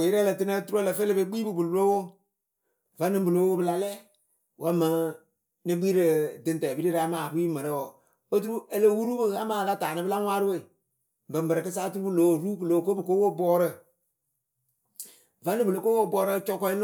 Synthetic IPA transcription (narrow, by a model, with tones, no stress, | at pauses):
jɪ˦ɾɛ˦lə˨tɨ˦na˦tu˦ɾu˦lə˨fe˦le˦be˨˦ɡ͡biː˦bɨ˨bu˨llo˦wo˦ | va˦nɨ˦bɨ˨lo˨˦o˦bɨ˨la˨lɛ˦ | wʔa˦mə˨ | nɨ˦ɡ͡bi˦ɾə˨dɨ˨ntɛ˨bi˦ɾi˦ɾa˨˦maː˨bu˦i˦mɨ˨ɾə˦wo˨ | o˦tu˦ɾu˦e˦le˦wu˦ɾu˦bɨ˨a˦maː˦˨ka˦taː˨nɨ˦bɨ˦la˦ŋwʷaː˦ɾɨ˦we˨ | bɨ˨mbɨ˨ɾɨ˨kɨ˦saː˦tu˦ɾu˦bɨ˦lo˨˦˨ɾu˦kɨ˨loː˨˦˨ko˦bɨ˨ko˦wo˦˨bɔː˦ɾə˦ | va˦nɨ˦bɨ˨lo˨ko˦wo˦˨bɔː˦ɾə˦t͡ʃɔ˦kɔ˦i˦l